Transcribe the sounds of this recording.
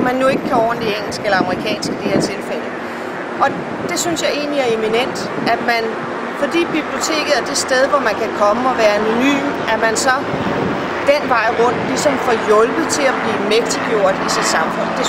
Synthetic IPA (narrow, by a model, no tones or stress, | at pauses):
mænːue̝ɡ̥əkʰæɒ̰ːɐnd̥ieŋ̰l̩sɡ̥elɐɑ̈məʁikʰɛ̰ːnsɡ̥əd̥ihe̝ɐ̰t͡sʰe̝lfel̰ə | ʔɒ̽ | d̥e̝synsjɑ̈ɪe̝̰ːnliæɐe̝minen̰d̥ | æ̥mæn | fɒ̽d̥ḭːb̥ib̥lio̝t͡sʰe̝̰ːɡ̥ð̩ˠæɐd̥e̝sd̥eð̞ˠʋɒmænkʰækʰɒ̽məɒ̽ʋæːɐæno̝ny̰ːm | æmænsɒ̽ | d̥enʋɑ̈ɪ̰ʁɔ̽n̰d̥lisɒ̽mfɒ̽jɔ̽lb̥ð̩ˠt͡sʰe̝læb̥liːmeɡ̥̚d̥iɡ̥jo̝ɐ̰d̥isid̥sɑ̈mfɔ̽n̰d̥e̝